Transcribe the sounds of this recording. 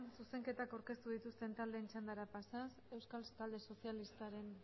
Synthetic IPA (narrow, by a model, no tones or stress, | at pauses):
nsuse̞ŋke̞t̪akawɾke̞st̪uðit̪ust̪e̞nt̪ald̪eːnt͡ʃand̪aɾapasase̞wskalt̪ald̪e̞so̞sjalist̪aɾe̞n